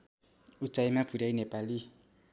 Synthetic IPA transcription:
ut͡sajmab̥ʰʱuɾainepali

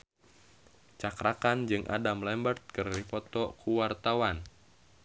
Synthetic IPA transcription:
t͡ʃakɾʔakand͡ʒɨŋʔa̰damlɛmbərt̪̚kɨrlifɔt̪ɔkʰuwart̪awan

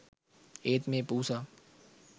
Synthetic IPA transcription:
eːt̪mẽpuːsaː

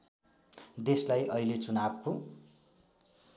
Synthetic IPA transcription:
d̪eslajʔʌilet͡sunabko

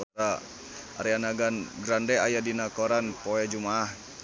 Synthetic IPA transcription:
ɔa | a̰ɾianaɡanɡɾandɛajadinakɔɾanpoɛd͡ʒumaːh

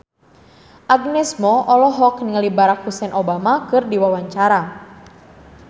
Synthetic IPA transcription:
ʔaɡnɛsmɔʔɔlɔɦɔkniŋəlibaɾak̚husɛnʔobamakɨrdiwawaɲt͡ʃaɾa

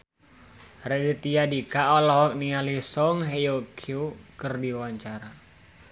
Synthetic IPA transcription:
redit̪iadikaʔɔlɔhɔk̚nialisɔŋɦejokʰiokərdiwaɲt͡ʃaɾa

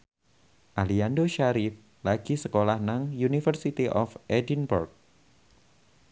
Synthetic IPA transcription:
ʔaliandoʃaɾif | laɡ̥isəkolahnaŋjunifərsit̪iʔɔfʔedinburk̚

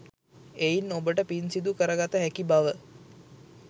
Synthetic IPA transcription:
ejinːobəʈəpinsid̪ukəɾəɡat̪əɦækibaʋə

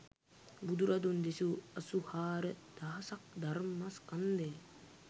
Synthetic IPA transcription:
bud̪uɾɐd̪und̪esuɐsuhaːɾəd̪̥aɦɐsɐk̚d̪aɾmːaskɐnd̪eː

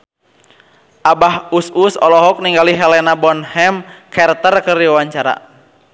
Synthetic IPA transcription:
ʔabahususɔ̰lɔɦɔk̚niŋɡaliɦɛlɛnabɔnhɛmkʰɛrt̪ərkɨrdiwawaɲt͡ʃaɾa̰

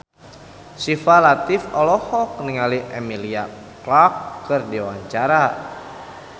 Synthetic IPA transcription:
sifalat̪ifɔlɔhɔk̚niŋaliʔemilia | klakːɨrdiwaɲt͡ʃaɾa

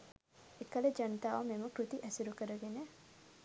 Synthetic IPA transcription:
ekəled͡ʒənət̪aʋameməkɾut̪iʔɛsuɾukəɾəɡene

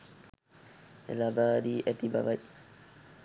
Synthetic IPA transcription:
ɛ̰labaːdiːʔɛt̪iba̰baj

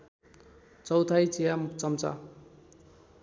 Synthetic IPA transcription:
t͡sʌwt̪ʰajt͡sijamukt͡sʌmt͡sa̰

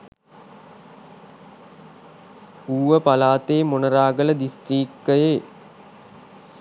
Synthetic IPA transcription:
uːʋəpalaːt̪eːmonɐɾaːɡələd̪isʈriːk̚təjeː

